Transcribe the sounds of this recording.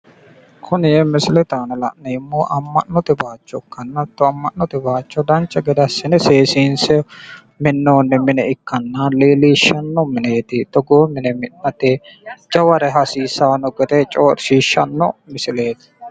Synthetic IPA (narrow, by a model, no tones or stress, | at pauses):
kʰʊnɪjɛmɪsɪlɛt̪aːnɐlɐ̰ʔnɐɪmːoːʔɐmːɐ̰nːɔt̪ɪbaːt͡ʃːɔkːɐnːɐt̪ːɔɐmːɐnːɔt̪ɪbaːt͡ʃːɔd̪ɐnt͡ʃːɐɡɛd̪ɐsːɪnɛseːsiːnsɛ | mɪnːoːnːɛmɪnɛɪkːɐnːaliːliːʃːɐnːɔmɪneːt̪ɪt̪ɔɡoːmɪnɛmɪnːɐt̪ed͡ʒɐwɐɾɛɦɐsiːsaːnɔɡɛt̪ɛt͡ʃʼoːɾʃiːʃːɐnːɔmɪsɪle̞ːt̪ɪ̥